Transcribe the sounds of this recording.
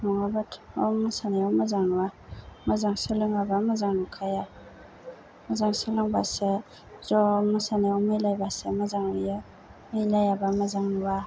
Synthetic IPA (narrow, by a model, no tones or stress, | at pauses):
mɔŋabatʰɔ̰masaneɔmazaŋnuwamazaŋsəlɯŋabamazaŋnukʰaja | mazaŋsəlɯŋbase | zɔmasaneɔmajlajbasemazaŋuja | majlajabamazaŋnuwa